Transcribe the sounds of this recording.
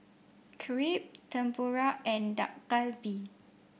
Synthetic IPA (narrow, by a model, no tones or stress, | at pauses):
kʰɹip̚t̪ə̃mpuɹaʔɛ̃nda̰ʔkalbi